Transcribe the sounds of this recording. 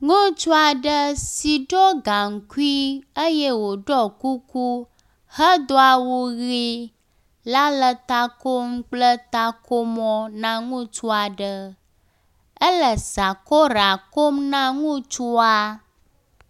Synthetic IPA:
ŋũ˦t͡ʃu˦a˨ɖə˦si˨ɖo˦ɡa˨ŋ̩˨ku˦i˦ə˦je˦wo˨ɖɔ˦ku˦ku˦ | hə˦d̪o˦a˨wo˦ɣi˦ | la˦lə˨t̪a˦ko˦m̩˦k͡plə˦t̪a˦kʰo˦mɔ̃˦nã˦ŋũ˦t͡ʃu˦a˨ɖə˦ | ə˦lə˨sa˨ko˦ɾa˨ko˦mnã˦ŋũ˦t͡ʃu˦a˦

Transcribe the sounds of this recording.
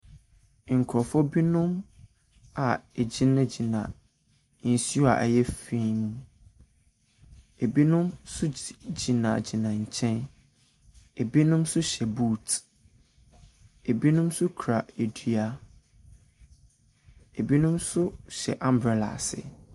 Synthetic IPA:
ŋ̩˨kʰɾɔ˨fɔ˦bi˦nʊ̃˦m | a˨e˨d͡ʑi˦nã˦d͡ʑi˨nã˨ | n̩˨si˦a̰˨ʔæ̰˨jɛ˦fĩ˦m̃˦ | e˨bi˦nʊ̃˦msʊ˦d͡ʑi˨nã̰˨d͡ʑi˨nã˨ɲ̩˨t͡ɕʰɛ̃˦n | e˨bi˦nʊ̃˦msʊ˦ɕɛ˨buː˦˨t | e˨bi˦nʊ̃˦msʊ˦kʰɾa˨e˨dɥa˦ | e˨bi˦nʊ̃˦msʊ˦ɕɛ̰˨ʔã˦mbɾɛ˨la̰˨sɪ̰˨

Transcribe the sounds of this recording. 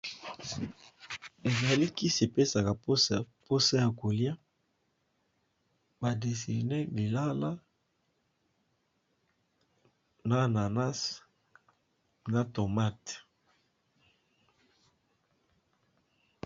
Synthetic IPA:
e˨za˨li˦ki˦se˨pe˦sa˨ka˨po˦po˦sa˦ja˨ko˨lja˦ | ba˨de˨si˨ne˦li˨la˦la˦ | na˦˨na˨na˦s | na˦to˨ma˦t

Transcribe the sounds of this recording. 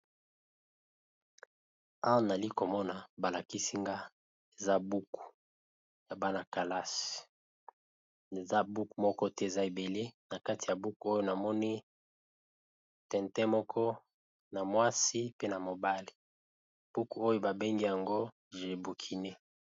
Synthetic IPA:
a˦wa˦na˨li˦ko˨mɔ˦na˨ba˨la˨ki˦si˦ŋɡa˦ | e˨za˦bu˦ku̥˨ | ja˨ba˦na˨ka˨la˦si̥˨ | e˨za˦bu˦ku˨mɔ˦kɔ˦tɛ˦e˨za˦e˨be˨le˦na˨ka˦ti˨ja˨bu˦ku˨˦o˦jo˦na˨mɔ˦ni˦ | tɛ˨ntɛ˦mɔ˦kʰɔ˦ | na˨mwa˦si˦pe˦na˨mo˨ba˦li̥˨ | b̥u˦ku˨o˦jo˦ba˨be˦ŋɡi˦ja˨ŋɡo˦ | ʒe˨bu˨kʰi˨ne˦

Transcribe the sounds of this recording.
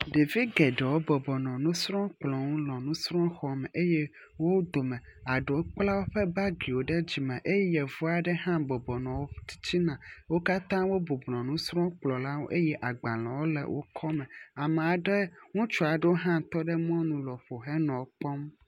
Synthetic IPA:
ɖe˨vi˦ɡɛ˨ɖɛ˨wo˦bɔ˨bɔ˨nɔ̃˨nũ˦sɾɔ̃˦k͡plɔ˨ŋũ˦lɔ̃˨nũ˦sɾɔ̃˦xɔ˨mɛ˨ʔe˦jɛ˦ | wo˦d̪o˨mɛ̃˨a˨ɖo˦k͡pla˦wo˦ɸɛ˦ba˦ɡi˨wo˨ɖɛ˦d͡ʑi˨mɛ̃˨ʔe˦jɛ˦jɛ˨vu˦a˨ɖɛ˦ɦã˦bɔ˨bɔ˨nɔ̃˨wo˦t̪i̥˦t͡ɕi˦nã˨wo˦ka˦t̪ã˦wo˦bo˨blɔ̃˨nũ˦sɾɔ̃˦k͡plɔ˨la˦wo˦ʔe˦jɛ˦ʔa˨ɡ͡ba˨lɔ̃˨wo˦lɛ̰˨wʔo̰˦kʰɔ˦mɛ̃˨a˨mɛ̃˨a˨ɖɛ˦ŋũ˦t͡ʃu˦a˨ɖɛ˦wo˦ɦã˦˨t̪ɔ˦ɖɛ˦mɔ̃˦nũ˨lɔ˨ɸo˨ɦɛ˦nɔ̃˨wo˦k͡pɔ˦m

